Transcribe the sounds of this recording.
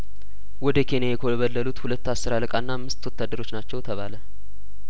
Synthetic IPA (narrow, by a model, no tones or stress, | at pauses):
wɔd̪əkʰe̞njajɛkʰəwβəlːəlut̪hulət̪ːasːɨɾaləkʼanːaːmːɨst̪wɔt̪ːad̪ːəɾo̞t͡ʃːnat͡ʃːɛwt̪ʰəβalə